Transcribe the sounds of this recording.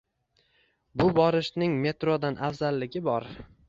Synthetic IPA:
bʊbɒɾɪʃnɪŋme̞t̪ɾod̪anʔafzalːɪɡʲɪbɒɾ

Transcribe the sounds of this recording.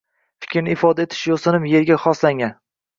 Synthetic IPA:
fɪ̥kʲʰɾnɪɪfɒd̪aet̪ʰɪ̥ʃjosɪnɪmje̞ɾɡʲaχɒslaŋʲan

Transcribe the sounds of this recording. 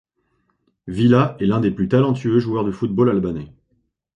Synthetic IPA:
vilaʔɛlɛ̃d̪eplyt̪alɑ̃t̪ʰyøʒuœʁd̪əfut̪̚bolalbanɛ

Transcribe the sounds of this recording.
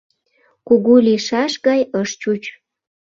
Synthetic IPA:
kuɣuliʃɑʃɣɑjəʃt͡ɕut͡ɕ

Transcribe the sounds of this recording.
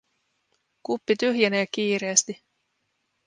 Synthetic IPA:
kupːit̪yhjeneːkːiːɾe̞ːst̪i

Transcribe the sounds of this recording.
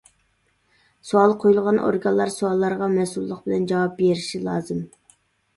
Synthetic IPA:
soɑlˠqʰojulˠʁɑnʔo̰ɾɡɑnlːˠɑɾsoɑlˠːɑɾʁɑmɛsulˠːəqb̥ɪlɛnd͡ʒɑwɑp̚beɾiʃilˠɑːzɨm

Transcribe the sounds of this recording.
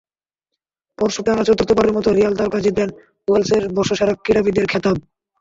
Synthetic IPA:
pɔɾʃuʈanat͡ɕot̪ɾot̪opaɾeɾmɔt̪oɾijald̪aɾkad͡ʑib̪len | uelseɾbɔʃoʃaɾak̚kːiɽabid̪eɾkʰɛt̪ab̚

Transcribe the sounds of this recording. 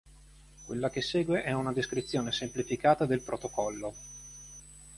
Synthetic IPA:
kwelːakesːeːɡweʔɛunad̪eskɾit̪sːjoːnesemplifikaːt̪ad̪elpɾot̪okɔlːo

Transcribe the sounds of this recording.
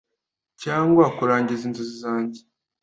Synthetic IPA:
caːŋɡwakuɾaːɲɟizinzuzizaːɲɟi

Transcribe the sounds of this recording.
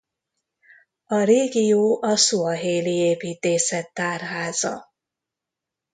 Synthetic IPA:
ɒɾeːɡijoːʔɒsuɒɦeːlieːpiːt̪eːsɛt̪ːaːrɦaːzɒ̰

